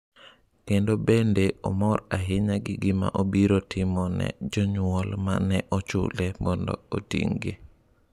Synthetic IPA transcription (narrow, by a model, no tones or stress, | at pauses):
kendobendeɔ̰mɔɾaɦɪɲaɡɪɡɪma̰ʔobiɾotʰɪmɔnɛ̰d͡ʒɔɲwɔlma̰nɛʔɔt͡ʃʊ̰lɛmɔndɔ̰o̰tḭŋɡi